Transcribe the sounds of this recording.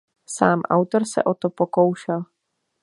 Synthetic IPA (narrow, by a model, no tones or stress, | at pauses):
sa̰ːmʔa̰wt̪o̞ɾsɛ̰ʔo̞t̪opo̞kowʃɛl